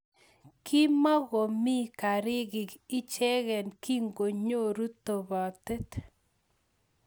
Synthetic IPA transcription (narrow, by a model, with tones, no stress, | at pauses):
kʰi˦ma˦ɣo˨mi˦ka˨ɾɪ˦ɣɪ˨kɪ˦t͡ʃɛ˦ɣɛ˨nki˦ŋɡo˨ɲo˦˨ɾu˦t̪o˨βa˨t̪e˦t̪